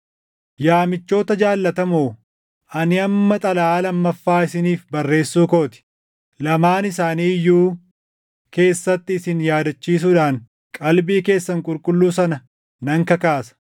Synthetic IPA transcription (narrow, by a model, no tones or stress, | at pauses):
jaːmɪt͡ʃːo̞ːt̪ɐd͡ʒaːlːɐt̪ɐmoː | ʔɐnɪɐmːɐt̪ʼɐlɐaːlɐmːɐfːaːɪsɪniːfbɐrːe̞ːsːuːko̞ːt̪ɪ̥ | lɐmaːnɪsaːniːjuː | ke̞ːsːɐt̪ːɪːsɪnjaːd̪ɐt͡ʃːiːs̬uːᶑaːŋ | kʼɐlbiːke̞ːsːɐŋkʼʊlkʼʊlːuːsɐnɐ | nɐŋkɐkaːsɐ̥